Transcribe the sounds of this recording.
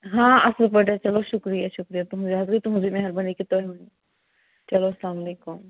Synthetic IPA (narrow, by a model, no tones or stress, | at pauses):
ɦãːɐslɐpɐʈet͡ʃɐloʃʊkɾijaʃʊkɾijat̪uɦũziɦɐzɾit̪ʊɦʊ̃zimẽɦɐɾbɐnikɪt̪oːɦeɐni | t͡ʃɐloslaːmɐleːkʊm